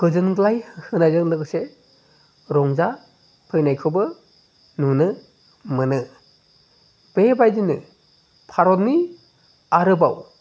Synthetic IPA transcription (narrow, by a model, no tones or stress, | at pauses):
ɡ̥ɯzɯnɡɯlajhɯhɯnajzɯŋdɯɡɯse | ɾɔŋza | pʰɯjnajkʰɯbɯ | nunɯ | mɯnɯ | b̥ebajdinɯ | pʰaɾɔt̚ni | aɾɯbaw